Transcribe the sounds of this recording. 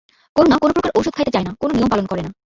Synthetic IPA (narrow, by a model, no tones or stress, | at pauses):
koɾnakonopɾokaɾʔowʃud̪̚kʰajt̪et͡ɕaenakononijompalonkɔɾena